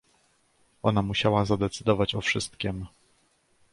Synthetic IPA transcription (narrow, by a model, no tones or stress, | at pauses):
ɔnamuɕawazad̪ɛt̪sɘd̪ɔvat͡ɕɔfʂɘst̪̚kʲim